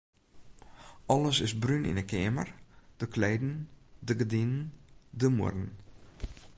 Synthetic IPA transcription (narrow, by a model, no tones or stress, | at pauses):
ʔɔləsɪsbrynʔḭnəkʰɪəmə̰rd̥əklɛːdn̩dəɡədinəndəmʊ̰rən̩